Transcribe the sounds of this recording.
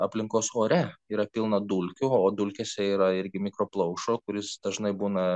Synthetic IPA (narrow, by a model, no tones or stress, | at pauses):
ɐpʲlʲɪŋkoːsoːɾʲɛiːɾɐpʲɪlˠnɐd̪ulʲkʲʊoːd̪ulʲkʲɛsʲɛiːɾɐɪɾʲɡʲɪmʲɪkɾoːplˠɐʊʃoːkʊɾʲɪsd̪ɐʒnɐɪbuːnɐ